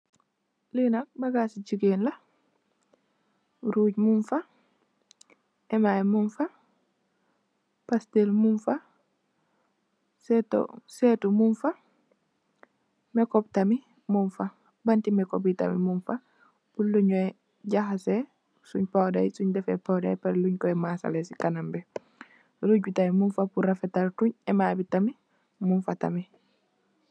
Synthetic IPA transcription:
linak̚baɡasid͡ʒiɡenla | ɾuːɟmunfa | ɛmajmunfa | pastelmunfa | sɛto̰setumunfa | mɛkɔp̚tami | munfa | bantimɛkob̬ita̰mḭmunfa | buluɲɔɛ | ɟahase | suɲpawdajsuɲdɛfɛpawda̰jpaɾluɲkɔemasa̰lesikanambe | luɟutamimunfapuɾafetaltuɲɛmabitami | munfata̰mi

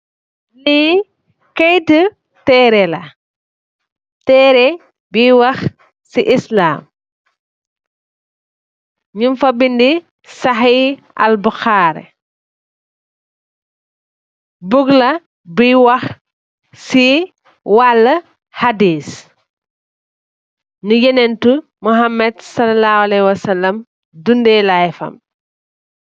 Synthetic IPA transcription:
liː | kɛjtə | tɛːɾɛlɐ | tɛːɾɛ | biwɐx | siʔisla̰ːm | ɲumfɐbindi | sɐxiː | ɐ̰lbuxaːɾɛ̰ | buɡlɐ | biwɐx | si | walːɐ | hadiːs | nujɛnɛntu | muɦamːɛdsɐlɐlaːwalɛhwɐsɐlːɐm | dundɛːlajfɐ̰m

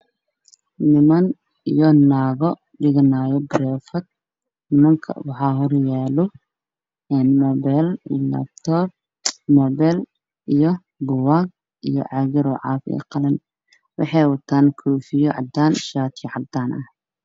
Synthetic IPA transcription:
nɪmɐn | ijɔnaːɣɔ | ɖɪɣɐnaːjɔbɾɛːfɐd̪̚ | nɪmɐŋkʰɐ̰wɑħɑːɦɔrjɛːlɔ | ɛːnmɔːbɛlilɐ̰b̚t̪ʰɔːb | mɔːβɛl | ʔijɔ | bʊwaːɡ̚ | ʔijɔ̰ʕɑːɣɪɾɔʕɑ̰ːfɛ̰qɑlɐn | wɑ̰ħɑjwɐt̪ʰaːnkʰɔːfɪjɔʕɑ̰d̪aːnʃaːt̪ʰiʕɑb̚d̪aːnʔɐh

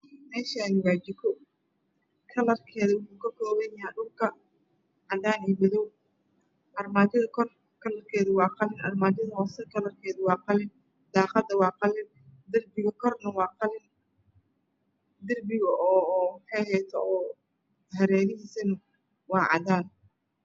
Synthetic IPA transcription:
mɛːʃanɪwaːd͡ʒɪkʰɔ | kʰɐlɐrkʰɛːðɐwʊħuːkʰɐkʰɔːβɛnjɐaɗʊlkʰɐ | ʕɑd̪aːniːmɪðɔw | ʔɐrmaːt͡ʃɪðɐkʰɔr | kʰɐlɐrkʰɛːðʊwɑːqɑlɪnʔɐrmaːd͡ʒɪðɐɦɔːsɛkʰɐlɐrkʰɛːðʊwɑːqɑlɪn | d̪̥aːqɑd̪ɐwɑːqɑlɪn | d̪ɪrbɪɣɐkʰɔrnɐwɑːqɑlɪn | d̪ɪrbɪɣɐʔɔːħɑjhɛjt̪ʰɔː | hɐɾɛːɾɪɦiːsɐnɐ | wɑːʕɑ̰d̪aːn

